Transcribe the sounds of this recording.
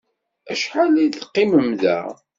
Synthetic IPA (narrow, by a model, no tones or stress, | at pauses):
æʃħaliθqːɪməmðæ̰